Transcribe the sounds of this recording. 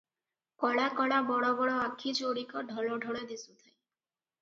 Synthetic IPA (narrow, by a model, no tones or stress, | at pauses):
kɔɽakɔɭabɔɽɔbɔɽɔakʰːit͡ʃoɽikɔɖʱɔlɔɖʱɔɽed̪isut̪ʰaj